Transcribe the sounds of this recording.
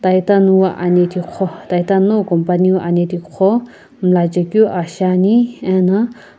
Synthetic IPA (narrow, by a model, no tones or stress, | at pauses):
t̪ajt̪anuwaʔanet̪ʰikʰot̪ajt̪anokɔmpaniwaʔanet̪ʰikʰo | mlad͡ʒɐkjuʔaʃaniẽnɐ